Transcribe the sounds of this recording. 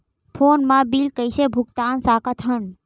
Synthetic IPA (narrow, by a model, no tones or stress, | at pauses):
pʰonmãbilkəjsebʱuɡt̪ansakət̪ʰən